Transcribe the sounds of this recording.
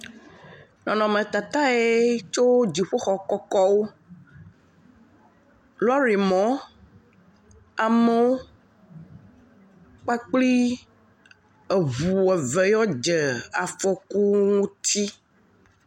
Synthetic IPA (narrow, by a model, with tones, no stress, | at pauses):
nɔ̃˨nɔ̃˨mẽ˨t̪a˨t̪a˦e˦t͡ʃo˦d͡ʒi˨ɸo˦xɔ˨kɔ˦kɔ˦wo˦ | lɔ˦ɾi˨mɔ̃˨˦ | a˨me˦wo˦ | k͡pa˦k͡pli˦ | e˨βu˨ɛ˨vɛ˨jɔ˦d͡ʒɛ˨a˨fɔ˨ku˦ŋũ˦t̪ʰi˦